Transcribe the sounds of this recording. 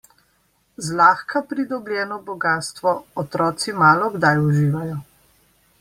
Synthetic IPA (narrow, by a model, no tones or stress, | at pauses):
zlaːxkapɾid̪ɔbljɛːnɔbɔɡaːst̪ʋɔɔt̪ɾɔːt̪simaːlɔɡd̪ajuʒiːʋajɔ